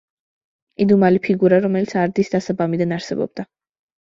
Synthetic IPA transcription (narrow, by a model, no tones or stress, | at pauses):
id̪umalipʰiɡuɾaɾɔmɛlit̪sʰaɾd̪isd̪asabamid̪anaɾsɛbɔ̰b̚d̪̥a